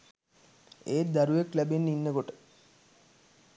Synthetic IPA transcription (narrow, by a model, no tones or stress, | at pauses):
eːt̪̚d̪aɾueklæbenːinːəkoʈə̥